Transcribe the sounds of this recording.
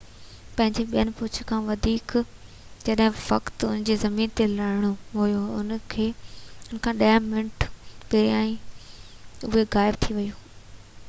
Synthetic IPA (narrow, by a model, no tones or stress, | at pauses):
pɐ̃ɦɪ̃ɲd͡ʑeɓijənɪ̆pʊt͡ɕʰʊ̥̆kʰãːʋɐd̪ʱiːk | d͡ʑɐɗɦɪ̃ʋɐkt̪ʊnɪ̃nd͡ʑezɐmiːnt̪elɐɾɪɽ̃ʊɦʊjoʊnkʰeːʊnkʰãːɗaːəmɪnʈʰpeɾaːĩ | ʊɦeɣaːɪb̚t̪ʰiʋɐjũː